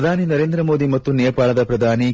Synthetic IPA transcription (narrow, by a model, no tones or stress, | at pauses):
d̪ʱaːninɐɾeːnd̪ɾɐmo̞ːd̪imɐt̪ːunejɐpaːɭɐd̪ɐpɾɐd̪ʱaːni